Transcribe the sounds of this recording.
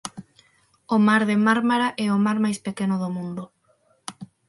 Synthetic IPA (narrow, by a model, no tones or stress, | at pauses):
omaɾðemaɾmaɾaʔɛomaɾmajspekenʊðomũnd̪ʊ